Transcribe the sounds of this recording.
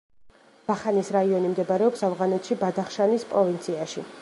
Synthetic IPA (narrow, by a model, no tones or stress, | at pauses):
b̥aχanisɾaiɔnimd̪ɛbaɾɛɔpsavʁanɛt̪ʃibad̪aχʃanispʼɾɔvint̪sʰiaʃi